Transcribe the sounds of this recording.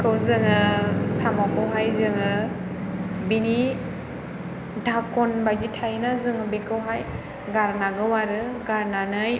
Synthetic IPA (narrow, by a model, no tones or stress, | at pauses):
kʰɯwzɯŋɯsamakɯwɦajzɯŋɯ | bini | dʱakɔnbajd͡ʒitʰajnazɯŋɯbekʰɯwɦaj | ɡaɾnaɡɯwaɾɯɡaɾnanɯj